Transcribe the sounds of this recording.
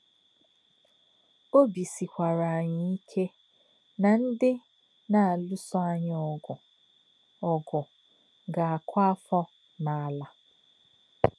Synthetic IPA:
o˦bi˨si˨kʷa˨ɾa˨a˨ɲɪ˨i˦kʰe˦ | na˨n̩˦dɪ˦ | na˨a˨lʊ˦sʊ˦a˦ɲɪ˦ɔ˨ɡʊ˨ | ɔ˨ɡʊ˨ | ɡa˨a˨kʷa˦a˦fɔ˦ | na˨a˨la˦

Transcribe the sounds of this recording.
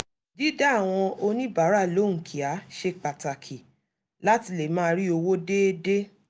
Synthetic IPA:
di˦da˦˨w̃ɔ̃˧o˧nĩ˦ba˨˦ɾa˦˨lo˨˦˨ŋ̩̃˨kʰi˨a˨˦ʃe˧k͡pa˨ta˨kʰi˨ | la˦ti˧le˨mãː˦˧ɾi˦o˧wo˦de˦de˦

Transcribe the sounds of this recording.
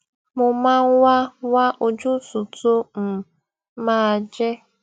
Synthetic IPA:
mʊ˨ma˦ŋ˦wa˦wa˦ʔo˨d͡ʒʊ˦tʊ˨to˦m̩˨ | maː˦˨d͡ʒe˦

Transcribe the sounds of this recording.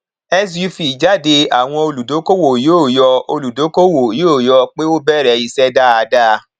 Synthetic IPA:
ɛ˦s̬ju˧˦fi˨d͡ʒa˨˦de˧a˨w̃ɔ̃˧o˧lu˨do˨˦ko˦wo˨jo˦˨jɔ˧o˧lu˨do˨˦ko˦wo˨joː˦˨jɔ˧k͡pe˦o˦bɛ˦˨ɾɛ˦˨i˧˨sɛ˦da˦a˧da˦

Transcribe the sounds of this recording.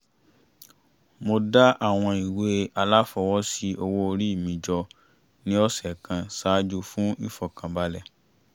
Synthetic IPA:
mo˧da˦ʔa˦˨w̃ɔ̃˧i˨we˨˦a˧la˦fɔ˧wɔ˦si˦ʔo˧wo˦o˧ɾi˦˨mĩ˨d͡ʒɔ˧ | nĩ˦ɔ˦sɛ˨kã˨saː˨˦d͡ʒu˧fũ˦i˦˨fɔ˨kã˨ba˦lɛ˦˨

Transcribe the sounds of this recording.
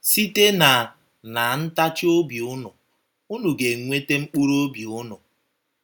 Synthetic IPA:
si˦te˦na˨ | na˨n̩˦ta˦t͡ʃo˦bi˨ʊ˦nʊ˨ | u˦nu˨ɡe˨ŋʷe˦te˦ŋ͡m̩˦k͡pu˦ɾo˦bi˨ʊ˦nɔ˨

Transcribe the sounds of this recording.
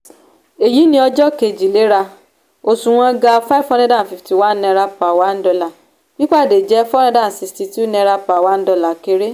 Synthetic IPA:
e˨ji˨˦nĩ˦ɔ˧d͡ʒɔ˦ke˨d͡ʒi˨le˨˦ɾa˧ | o˨sũ˨w̃ɔ̃˧ɡa˧fa˦fɔ˦nɛ̃˦dã˦˨fi˨fti˨wa˦nɛ̃˧ɾa˧pa˨wa˨˦n̩˦dɔ˧la˨ | bi˦k͡pa˦˨de˨d͡ʒɛ˦fɔ˦ñɛ̃˧˦dã˦˨si˨sti˧ti˦u˦nɛ̃˧ɾa˧pa˨wa˨˦n̩˦dɔ˧la˨ke˧˦ɾe˦

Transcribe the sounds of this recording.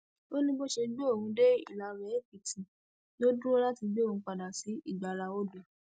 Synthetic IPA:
o˦nĩ˦ɡ͡bo˦ʃe˧ɡ͡be˦o˦˨hũ˧de˦ḭ˦˨la˨ɾɛ˨˦bi˨ti˨ | no˦dũ˦o˦la˦ti˧ɡ͡be˦o˦˨ũ˨˧k͡pa˨da˨si˨˦i˦˨ɡ͡ba˨ɾa˧o˦dũ˨

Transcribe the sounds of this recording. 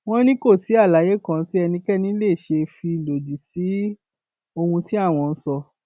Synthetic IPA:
w̃ɔ̃˦nĩ˦ko˦˨si˨˦a˦˨la˨˦je˦kã˦ti˦ɛ˧nĩ˧kɛ˦nĩ˦le˦˨ʃe˧fi˧˨lo˨d͡ʒu˨si˨˦ | o˧hũ˧ti˦a˦˨w̃ɔ̃˧n̩˦sɔ˧

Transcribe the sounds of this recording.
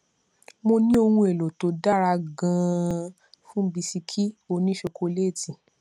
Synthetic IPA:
mo˧nĩ˦o˧hũ˧e˨lo˨to˨˦da˦˨ɾa˧ɡã˧ | fũ˦bi˧si˧kʰi˦o˧nĩ˦ʃe˧ko˧le˦˨tĩ˨

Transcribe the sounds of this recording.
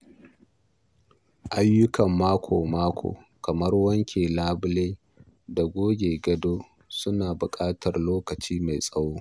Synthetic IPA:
ʔa˦jːʊ˦kɐ˨mːaː˦kʷʰoː˨maː˦kʷʰo̰ː˨ | kɐ˨mɐ˦rwɐ˦ŋkʲeː˨laː˦bʊ˦leː˦ | da˨ɡʷoː˦ɡʲeː˨ɡɐ˦doː˦ | sʊ˦naː˨bʊ˨kʼaː˦tʰɐ˨rloː˦kɐ˨t͡ʃiː˦ma˨jsʼɐ˦woː˦

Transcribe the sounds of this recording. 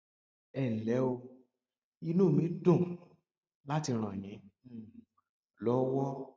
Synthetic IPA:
ɛ˦˨lɛ˨˦o˧ | i˧nũ˦˨mĩ˨˦dõ˦˨ | la˦ti˧ɾ̃ã˨j̃ĩ˨˦ | lɔ˦wɔ˦

